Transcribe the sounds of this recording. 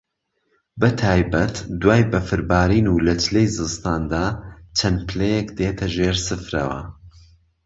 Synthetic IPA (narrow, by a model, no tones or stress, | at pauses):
bɐt̪ʰaːjbɐt̪d̪waːjbɐfɨɾbaːɾiːnuːlɐt͡ʃlejzɨst̪aːnd̪aːt͡ʃʰɐnpʰɨlejekd̪eːt̪ʰɐʒeːɾsɨfɾɐ̰wɐ̰